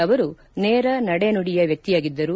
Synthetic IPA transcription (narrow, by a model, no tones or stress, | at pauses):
ɐʋɐɾu | nɛːɾɐnɐɽenuɽijɐʋjɐk̚t̪ijaːɡid̪ːɐɾu